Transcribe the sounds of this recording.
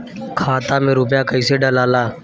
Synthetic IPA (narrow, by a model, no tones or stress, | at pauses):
kʰaːt̪aːmẽːɾʊp̬jaːkəiseːɖaːlaːlaː